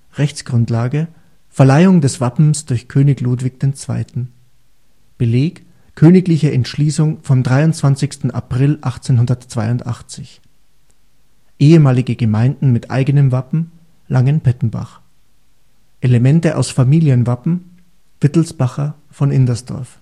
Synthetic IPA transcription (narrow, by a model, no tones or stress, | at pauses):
ʁɛçt͡sɡ̥ʁʊntlaːɡə | fɛɐlaɪʊŋdɛsv̥apm̩sd̥ʊɐçkʰøːnɪçluːtv̥ɪçd̥eːnt͡sv̥a̰ɪtn̩ | b̥əleːk | kʰːøːnɪklɪçəɛntʃliːsʊŋfɔmdʁaɪʊnt͡sv̥ant͡sɪçstn̩a̰pʁ̥ɪlʔaχt͡senɦʊndɐtt͡sv̥aɪʊntʔa̰χt͡sɪç | ʔeːəmaːlɪɡəɡəmaɪndn̩mɪtʰʔa̰ɪɡənəmvapm̩ | lʔaŋənpʰɛtn̩ba̰χ | ʔelemɛntəʔa̰ʊsfamiːliənvapm̩ | v̥ɪtl̩sb̥aχɐ | fɔnʔɪndɐsd̥ɔ̰ɐf